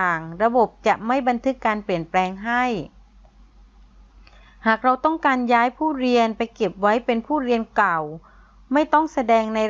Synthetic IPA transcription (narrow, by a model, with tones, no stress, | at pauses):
aː˨˩ŋɾa˧bo˨˩p̚t͡ɕa˨˩ʔma˥˩jba˧nt̪ʰɯ˦˥kːaː˧npli˨˩ənplɛː˧ŋɦa˥˩j | haː˨˩k̚ɾa˧wt̪ɔ˥˩ŋkaː˧njaː˦˥jpʰuː˥˩ɾi˧ənpa˧jke˨˩p̚wa˦˥jpe˧npʰuː˥˩ɾi˧ənkla˨˩w | ma˥˩jt̪ɔ˥˩ŋsa˧dɛː˧ŋna˧